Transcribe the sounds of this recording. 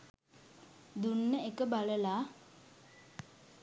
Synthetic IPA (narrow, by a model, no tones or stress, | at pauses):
d̪unːəekəbaləla